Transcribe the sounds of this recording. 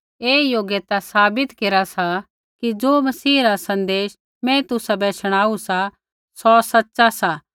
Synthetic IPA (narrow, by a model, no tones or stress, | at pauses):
eːjoːɡjet̪asaːbɪt̪keːɾasa | kid͡ʒoːmɐsiːɾasɐ̃nd̪eːʃ | mɛ̃t̪ʊsabɛːt͡ʃəɽ̃aːusa | sɔːsɐtːʃasaː